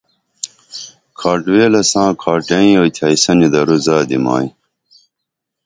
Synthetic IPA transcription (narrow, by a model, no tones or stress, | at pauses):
kʰaːʈweːlɐsãːkʰaːʈɐ̃ĩoːt̪ʰajsɐnid̪ɐɾuzaːd̪ima̰ːi